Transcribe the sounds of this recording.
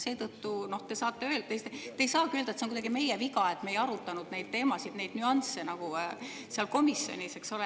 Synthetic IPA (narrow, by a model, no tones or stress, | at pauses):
se̞ːt̪ɤt̪ːuno̞ht̪e̞sɑːt̪ːˑe̞ølest̪et̪ejsɑːkyøld̪ɑet̪seonkud̪ɑɡime̞jeviɡɑe̞t̪ːˑmejɑɾut̪ːˑɑnud̪̥ne̞jd̪̥̚t̪e̞ːmɑsid̪̥ne̞jd̪̥nyɑnse̞nɑɡ̥u | seɑlko̞misːo̞̰nʲise̞ksole